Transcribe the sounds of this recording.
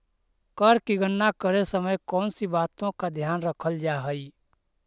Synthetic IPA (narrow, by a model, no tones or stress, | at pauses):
kəɾkiɡənːakəɾesəməjkɔːnsibaːt̪õkad̪ʱjaːnɾəkʰəld͡ʒaɦəi